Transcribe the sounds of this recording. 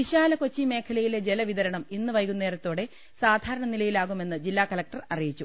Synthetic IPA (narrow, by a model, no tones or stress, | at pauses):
iɕaːlɐko̞t͡ɕːime̞ːkʰɐlɐjiled͡ʑe̞lɐʋiðɐɾɐɳɐminːɨʋɐjɣunːe̞ːɾɐt̪ːoːɽe̞ | saːd̪ʱaːɾɐɳɐnilɐjilaːɣume̞nːɨd͡ʑilːaːkɐlɐk̚ʈɐrɐrijit͡ɕːu